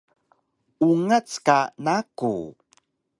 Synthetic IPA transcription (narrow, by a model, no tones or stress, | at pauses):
uŋat͡skanakṵ